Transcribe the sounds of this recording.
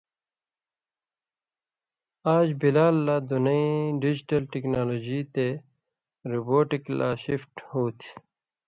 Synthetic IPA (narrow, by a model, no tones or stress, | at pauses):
aːd͡ʑbilaːlːad̪unʌĩɖid͡ʑiʈɐlʈeknaːloːd͡ʑit̪e | ɾuboːʈikla̰ːɕifʈhoːt̪ʰ